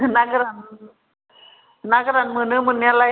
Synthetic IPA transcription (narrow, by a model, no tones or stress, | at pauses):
naɡɾan | naɡɾanmənɯmənjala